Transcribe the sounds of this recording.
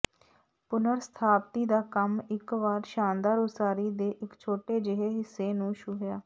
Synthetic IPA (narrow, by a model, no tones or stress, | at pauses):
pʊnəɾsə̥t̪ʰaːpt̪iːd̪aːkəmɪkʋaːɾʃaːnd̪aːɾʊsaːɾiːd̪eːʔɪkt͡ʃʰoːʈeːd͡ʒɪɦeːɦɪsːeːnũːʃʊɦjaː